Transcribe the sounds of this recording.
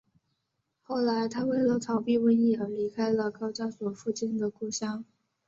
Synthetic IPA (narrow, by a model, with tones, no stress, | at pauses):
xo˥˩ʊla˧˥ɪt̪ʰa˥we˥˩ɪlə˧˥t͡s̪ʰɑ˧˥ʊpi˥˧wə˥˧ni˥˩ə˞˧˥li˧˥kʰa˥ɪlə˨kɑ˥ʊt͡ɕja˥swɔ˨˩fu˥˧t͡ɕi˥˩nd̪ə˩ku˥˩ɕjɑ˥ŋ